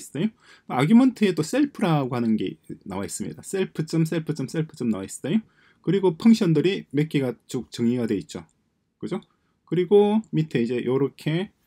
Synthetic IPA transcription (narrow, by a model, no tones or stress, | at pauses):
s͈d͈ejo | aɡjumʌntʰɯe̞t͈os͈eɭpʰɯɾaɡohanɯnɡe̞̰na̰wais͈ɯmɲḭdas͈eɭpʰɯt͡ɕ͈oms͈eɭpʰɯt͡ɕ͈oms͈eɭpʰɯ̥t͡ɕ͈omnawais͈ɯ̥d͈ajo | kɯɾiɡopʰɯŋɕʰjʌndɯɾime̞k͈iɡat͡ɕ͈ok̚t͡ɕɯŋiɡadwe̞it̚t͡ɕ͈o | kɯd͡ʑo | kɯɾiɡomitʰeid͡ʑe̞jʔʌɾʌkʰe̞